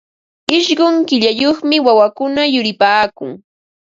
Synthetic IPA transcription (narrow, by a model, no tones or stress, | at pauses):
ɪʃɢʊŋkɪʎajoχmɪwawakʊnajʊɾɪpaːkʊŋ